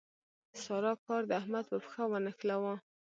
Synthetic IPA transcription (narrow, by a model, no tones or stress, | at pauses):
sɑɾɑkɑɾd̪əahmad̪̚pəpə̥xawənəxlawa